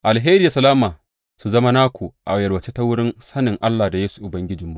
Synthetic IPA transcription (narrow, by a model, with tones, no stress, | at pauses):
ʔa˨lɦeː˦ɾi˦ja˨sɐ˨laː˦maː˨ | su˨zɐ˦ma˦naː˦kʷu˨ʔa˨jɐ˨ɽwɐ˨t͡ʃe˦ta˦wʊ˦ɽɪ˦nsɐ˦nɪ˨ŋʔa˦lːa˨da˨jeː˦su̥˨ʔʊ˨bɐ˦ŋɡʲɪ˦d͡ʒɪ˨mːu˨˦